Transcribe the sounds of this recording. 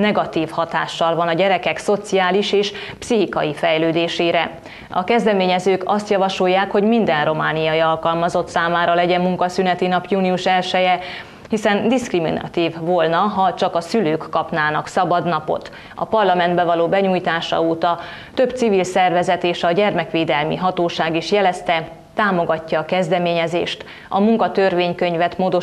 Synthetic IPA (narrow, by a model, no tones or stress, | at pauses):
nɛɡɒt̪iːfhɒt̪a̰ːʃːɒlvɒnɒɟɛɾɛkɛkso̞t̪sijaːliʃeːʃpsiɦikɒjifɛjløːd̪eːʃeːɾɛ | ɒkɛzd̪ɛmeːɲɛzøːkɒst̪jɒvɒʃo̞jːaːkho̞ɟmind̪ɛnro̞maːnijɒjiɒlkɒlmɒzo̞t̪saːmaːɾɒlɛɟɛmːuŋkɒsynɛt̪inɒpjuːniuʃɛlʃɛjɛ | hisɛnd̪iskrimḭnɒ̰t̪iːvːolnɒɦɒt͡ʃɒkɒsyløːkːɒpnaːnɒksɒbɒd̪nɒpo̞̰t̪ | ɒ̰pɒrlɒmɛnd̪bɛvɒloːbɛɲujt̪aːʃɒ̰oːt̪ɒ | t̪ø̞bt̪sivilsɛrvɛzɛt̪eːʃɒɟɛrmɛkʋeːd̪ɛlmḭɦɒt̪oːʃaːɡiʃjɛlɛst̪ɛ | t̪aːmo̞ɡɒcːɒːkɛzd̪ɛmeːɲɛzḛːʃt̪ | ɒmuŋkɒt̪ørʋeːɲkø̞ɲvɛt̪moːd̪o̞